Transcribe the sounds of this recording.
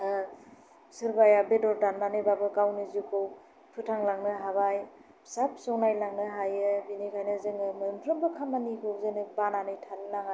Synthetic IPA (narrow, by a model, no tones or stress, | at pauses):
sɯɾbajabedɔɾdanmanɯjbabɯkawnɯzikow | pʰɯtʰaŋlaŋnɯɦaβaj | sap̚sɔŋnajlaŋnɯɦajɯbinikʰajnɯzɯŋɯmɯntʰɾɯmbɯkʰamanikʰɯzɯnɯbananɯjtʰallaŋa